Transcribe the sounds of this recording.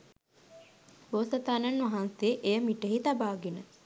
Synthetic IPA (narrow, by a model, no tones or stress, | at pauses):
boːsɐt̪aːnɐnʋaɦaːnseʔejəmiʈəɦit̪abaːɡenə